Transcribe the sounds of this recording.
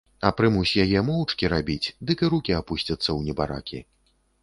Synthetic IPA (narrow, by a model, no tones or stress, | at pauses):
ɐpɾɨmusʲjajɛmɔwt͡ʂkʲiɾabʲit͡sʲd̪ɨkɨɾukʲiapusʲt͡sʲɐt̪sːɐwnʲɛbaɾa̰kʲḭ